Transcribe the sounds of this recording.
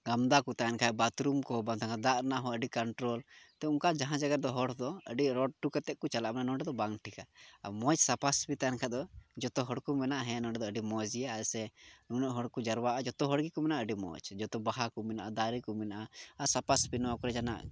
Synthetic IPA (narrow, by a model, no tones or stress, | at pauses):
ɡamd̪akut̪aankʰaɛbat̪ɾumkɔbaŋt̪ʰãŋkʰad̪aʔɾɛnaʔɦɔəɖikaɳʈɾɔlt̪ɛuŋkad͡ʒaɦãd͡ʒaɡaɾd̪ɔɦɔɽd̪ɔəɖiɾɔɖ̚ʈukat̪ɛʔ̚kut͡ʃalaʔmɛnanɔ̃ɖɛd̪ɔbaŋʈʰika̰mɔt͡ʃsapaspit̪ajankʰad̪ɔd͡ʒɔt̪ɔɦɔɽkumɛnaʔɦɛ̃nɔɖɛd̪ɔəɖimɔd͡ʒijaɛsɛnunɛʔɦɔɽkud͡ʒaɾwaʔad͡ʒɔt̪ɔɦɔɽɡikɔmɛnaʔəɖimɔ̰t͡ʃd͡ʒɔt̪ɔbaɦakumɛnaʔad̪aɾikumɛnaʔaasapasbinɔwakɔɾɛd͡ʒana̰ʔ